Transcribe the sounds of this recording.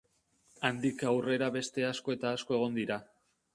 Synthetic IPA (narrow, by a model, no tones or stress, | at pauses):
and̪ikawre̞ɾaβe̞st̪e̞asko̞e̞t̪aːsko̞e̞ɣ̞o̞nd̪iɾa